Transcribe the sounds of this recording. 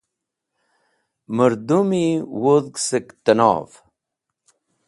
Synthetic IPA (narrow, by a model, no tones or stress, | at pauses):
məɾd̪umiwoðɡsəkt̪ənɑ̰ːv